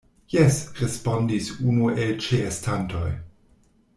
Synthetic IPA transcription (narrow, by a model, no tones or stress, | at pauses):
jɛsɾespo̞ndisunuelt͡ʃeestanto̞̰j